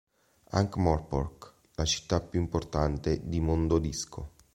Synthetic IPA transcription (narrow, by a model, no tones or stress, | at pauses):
a̰ŋkmɔrpɔrk | lat͡ʃi̥t̪ːapjuimport̪ant̪ed̪imond̪od̪iskʰo